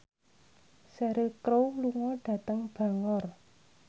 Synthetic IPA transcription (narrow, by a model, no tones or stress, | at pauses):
sɛɾɪlkɾowluŋɔɖ̥ä̤t̪əŋb̥a̤ŋɔr